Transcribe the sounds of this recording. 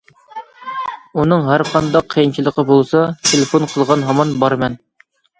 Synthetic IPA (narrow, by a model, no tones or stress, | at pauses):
unɨŋɦæɾqʰɑnd̪ɑqʰːəjint͡ʃʰilˠəqʰəbolˠsɑt̪ʰelefonqʰəlˠʁɑnɦɑmɑnbɑɾmɛn